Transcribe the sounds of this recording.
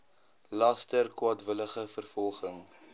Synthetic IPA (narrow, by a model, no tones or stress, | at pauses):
lɐstərkwaːtvələχəfərfɔlˠχəŋ